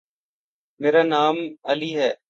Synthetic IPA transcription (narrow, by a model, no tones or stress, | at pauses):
meːɾaːnaːməliːɦɛː